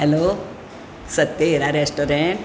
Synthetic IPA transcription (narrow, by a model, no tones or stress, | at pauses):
ɦeloː | sɐt̪ːeɾaɾesʈoːɾẽɳʈ